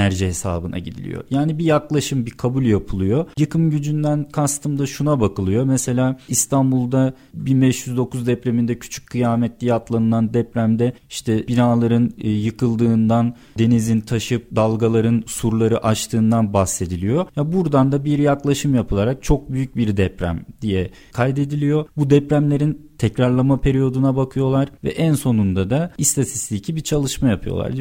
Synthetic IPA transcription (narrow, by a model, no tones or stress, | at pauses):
æɾʒihe̞sa̰ːbɯna̰ɟid̪ḭlʲḭjo̰jaːnibijaklˠaʃɯmbikʰabulʲjapʰɯlˠɯjo̞jɯkʰɯmɟyd͡ʒynd̪ænkʰast̪ʰɯmd̪aʃunabakʰɯlˠɯjo̞mɛse̞lʲaːist̪ʰanbulˠd̪a | binbɛʃjyzd̪o̞kuzd̪ɛpɾe̞mind̪ɛcʰy̥t͡ʃʰy̥c̚ʲkʰːɯjaːmɛt̪lʲiat̪lˠanɯnˠand̪ɛpɾæmd̪ɛ | iʃt̪ʰɛbinaːlˠaɾɯnːjɯkʰɯlˠd̪ɯːnd̪an | d̪e̞nizint̪ʰaʃɯp̚d̪alˠɡalˠaɾɯnsuɾlˠaɾɯʔaʃt̪ʰɯːnd̪anbahse̞d̪ilʲijo̞jabuɾd̪and̪abiɾjaklˠaʃɯmjapʰɯlˠaɾak̚t͡ʃʰo̞k̚byjyc̚biɾd̪ɛpɾæ̰md̪ijɛ | kʰajd̪e̞d̪ilʲijo̞bud̪ɛpɾæmlʲe̞ɾint̪ʰɛcɾaɾlˠamapʰe̞ɾijo̞d̪unabakʰɯjo̞lˠaɾ̥vɛ̰ʔænso̞nund̪ad̪aist̪ʰat̪ʰi̥st̪ʰicʰibit͡ʃʰalˠɯʃmajapʰɯjo̰a̰ɾd̪